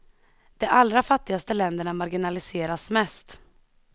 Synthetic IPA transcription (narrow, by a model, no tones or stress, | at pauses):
d̪̥ɛʔalɾafat̪ːɪɡast̪əlɛnd̪əɳamaɾɡɪnalɪseːɾasmɛst̪